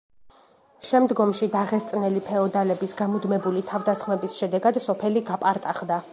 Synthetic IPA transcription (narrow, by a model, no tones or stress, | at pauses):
ʃɛmd̪ɡɔmʃid̪aʁɛst̪sʼnɛlipʰɛɔd̪alɛbisɡamud̪mɛbulit̪ʰavd̪asχmɛbisʃɛd̪ɛɡad̪sɔpʰɛliɡapʼaɾt̪ʼaχd̪a